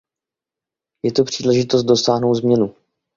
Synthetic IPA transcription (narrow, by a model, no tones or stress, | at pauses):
jɛt̪opr̝̥iːlɛʒɪt̪ost̪do̞saːɦno̞wt̪zmɲɛnu